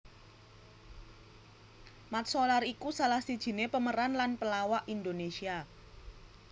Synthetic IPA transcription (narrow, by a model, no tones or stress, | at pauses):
mat̪̚solarikusalahsid̥ʒ̥i̤nepəməɾanlanpəlawaʔind̪onesia